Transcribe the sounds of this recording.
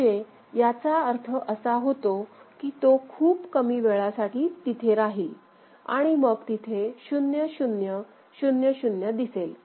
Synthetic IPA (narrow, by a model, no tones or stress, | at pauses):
e | jat͡saəɾt̪ʰəʔəsaɦot̪okiːt̪okʰuːpkəmiːʋeɭasaʈiːt̪it̪ʰeɾaɦiːl | a̰ɽ̃iməɡt̪it̪ʰeɕunjəɕunjə | ɕunjəɕunjəd̪isel